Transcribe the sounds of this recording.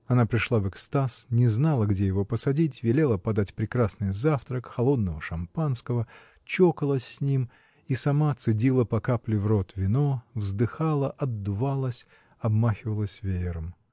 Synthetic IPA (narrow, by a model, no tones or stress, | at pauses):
ɐnapɾʲɪʂlˠavɨkst̪asnʲɪznalˠəɡdʲejɪvo̞pəsɐdʲitʲvʲɪlʲelˠəpɐd̪atʲpɾʲɪkɾasnɨjzaft̪ɾəkxɐlˠo̞d̪nəvəʂɐmpanskəvə | t͡ɕokəlˠəsʲːnʲim | isɐmat̪sɨdʲilˠəpɐkaplʲɪvrot̪vʲɪno̞vzd̪ɨxalˠəʔɐd̪ːʊvalˠəsʲ | ɐbmaxʲɪvəlˠəsʲvʲeɪɾəm